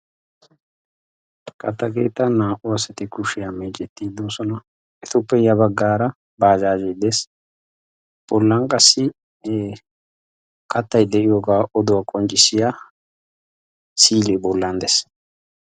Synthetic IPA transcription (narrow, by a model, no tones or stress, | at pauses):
kʼɐt̪ːɐɡeːt̪ːɐnaːʔʊɐsɐt̪ɪkʊʃɪjameːt͡ʃʼɛt̪ːiːd̪oːsɔnɐ | ɛt̪ʊpːɛjɐbɐɡːaːɾɐ | baːd͡ʒaːd͡ʒɛjd̪es | b̥ɔlːɐŋkʼɐsːɪ | kɐt̪ːɐjd̪ɛʔɪjoːɡaːʔɔd̪ʊwakʼɔnt͡ʃʼːɪsɪja | siːlɛbɔlːɐnd̪ɛs